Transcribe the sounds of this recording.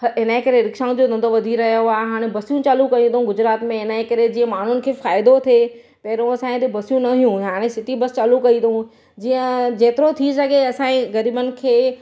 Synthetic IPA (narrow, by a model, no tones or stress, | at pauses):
ɦɪnəẽkɐɾeɾɪkʃãːʊ̃d͡ʑod̪ɐ̃nd̪oʋɐd̪ʱiɾɐɦijoaːeɦaːɽ̃ẽbɐsijũt͡ɕaːlũkɐjĩd̪ʰɦũɡʊd͡ʑɾaːt̪mẽɪnəẽkɐɾed͡ʑiːə̃maːɳ̤ʊnɪ̆kʰeːfaːɪd̪ot̪ʰe | pɐɦɾõɐsãːẽt̪ebɐsjũnɐijũɦaːɽ̃ẽsɪt̪ibɐst͡ɕaːlukɐĩt̪ɐɦũ | d͡ʑiːə̃d͡ʑeːt̪ɪɾot̪ʰisɐɡeɐsãːẽɣɐɾiːbənɪ̆kʰeː